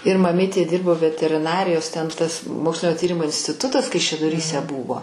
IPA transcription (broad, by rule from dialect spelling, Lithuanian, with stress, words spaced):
ɪr mɐˈmʲiːtʲeː ˈdʲiːrboː ʋʲɛtʲɛrʲɪˈnɑːrʲɪjoːs tʲɛn ˈtɐs ˈmoːksʲlʲɪnʲoː ˈtʲiːrʲɪmoː ɪnʲsʲtʲɪˈtʊtɐs kɐɪʃʲɛdoːˈrʲiːsʲɛ ˈbuːʋoː